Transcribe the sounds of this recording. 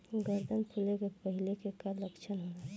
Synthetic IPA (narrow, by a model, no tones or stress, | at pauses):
ɡəɾd̪ənpʰulekepəɦilekekalːəkt͡ʃʰənɦona